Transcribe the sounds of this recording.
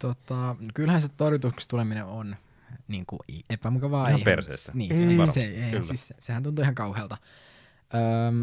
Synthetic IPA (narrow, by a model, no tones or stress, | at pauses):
t̪ot̪ɑkylhænset̪orjut̪ukst̪ulemineon | niːŋkṵiʔepæmukɑʋɑːeipersḛsæniːseelːsissesehænt̪unt̪uihɑŋkɑuheːlt̪ɑ | ʔəːm